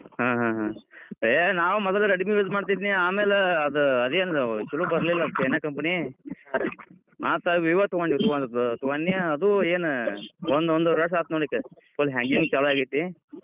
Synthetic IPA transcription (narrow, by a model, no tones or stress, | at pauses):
ɦãːɦãːɦãenaːʋumɔd̪ɐlɐɾɐɽimiʋezmaːɽt̪id̪iːniaːmeːleɐd̪uɐd̪eːnt͡ʃulubɐɾlilːɐd̪kːeːnakɐmpɐni | ma̰ːt̪aʋiʋat̪uʋanːit̪uʋand̪t̪uʋanːjɐd̪ueːnond̪ond̪uɾɐs̬aːt̪noːɽikːɐ | kolɦaŋɡiŋɡt͡ʃaluaːɡit̪ːi